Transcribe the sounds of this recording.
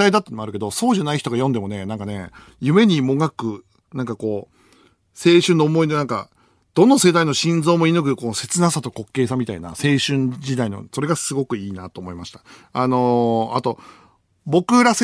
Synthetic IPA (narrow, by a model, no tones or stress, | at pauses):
aid̪at̪ːenomaɾɯ̟ke̞d̪o̞so̞ːʑanaiçi̥t̪o̞ɡajõ̞nd̪e̞mo̞ne̞nãŋkane̞ | jɯ̟me̞ɲ̟imo̞ɡakɯ̟ | nãŋkako̞ː | se̞ːɕɨ̃nːo̞ːmo̞ino̞nãŋka̰ | d̪̥õ̞nːose̞d̪aino̞ɕĩnd͡zo̞ːmo̞inɯ̟k̬ɯ̟ko̞se̞t͡sɨnasat̪o̞ko̞kːe̞ːs̬amʲit̪aina̰se̞ːɕɨ̃ɲd͡ʑid̪aino̞̰so̞ɾe̞ɡasɨɡo̞kɯ̟iːnat̪o̞ːmo̞imaɕi̥t̪ḁano̞at̪o̞ | bo̞kɯ̟ɾase